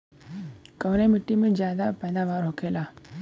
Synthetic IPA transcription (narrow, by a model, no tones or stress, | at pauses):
kəʋnemɪʈːimẽd͡ʒjaːd̪apɛːd̪aːʋaːɾɦokʰeːlaː